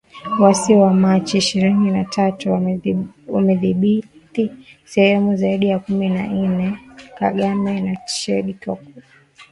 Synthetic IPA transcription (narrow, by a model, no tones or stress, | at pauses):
wasiwamat͡ʃiːʃiɾininatʰatu | wamɛðiɓitisɛhɛmuzaiɗijakuminan̩nɛka̰ɠamɛnat͡ʃɛ̰ɗitɔ̰ku